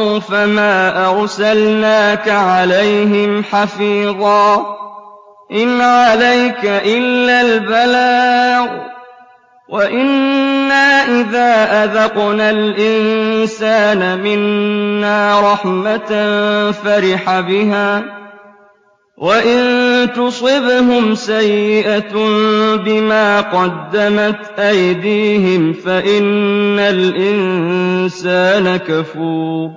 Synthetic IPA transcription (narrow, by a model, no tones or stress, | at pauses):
famaːʔɑɾˤsalnaːkaʕalajɦɪmħɑfiːðˤɑː | ʔɪnʕalajkaʔɪlːaːlbalaːɣ | waʔɪnːaːʔɪðaːʔaðɑqnalʔɪnsaːnamɪnːaːɾˤɑħmat̪faɾɪħabɪɦaː | waʔɪnt̪ʊsˤɨbhʊmsajːɪʔa | bɪmaːqɑd̪ːamat̪ʔajd̪iːɦɪmfaʔɪnːalʔɪnsaːnakafuːɾ